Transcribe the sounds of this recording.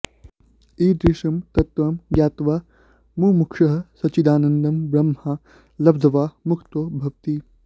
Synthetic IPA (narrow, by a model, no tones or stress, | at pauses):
iːd̪ɾiʂɐmt̪ɐt̪ʋaːmjaːt̪ʋaː | muːmukʰʂɐɦɐsɐt͡ʃid̪aːnɐnd̪ɐmbɾɐmha | lɐb̚d̪ʱɐʋaːmukʰt̪oːbʱɐʋt̪i